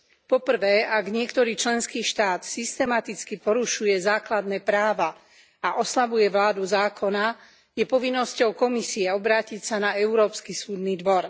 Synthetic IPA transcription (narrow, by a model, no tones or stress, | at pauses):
pɔpr̩ʋɛːʔaɡɲɪɛkt̪ɔɾiːt͡ʃlɛnskiːʃt̪aːt̪sist̪ɛmat̪it͡skipɔɾuʃujɛzaːklad̪nɛːpɾaːʋa | aʔɔslaʋujɛʋlaːd̪uzaːkʰɔna | jɛpɔʋinːɔscɔʊkɔmisiɛɔbɾaːcicsanaɛuɾɔːpskisuːd̪niːd̪ʋɔɾ